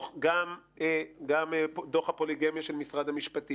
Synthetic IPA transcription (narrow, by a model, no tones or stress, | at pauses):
χɡam | eɡamed̪oχhapo̞liɡemjaʃelmisʁad̪hamiʃpat̪i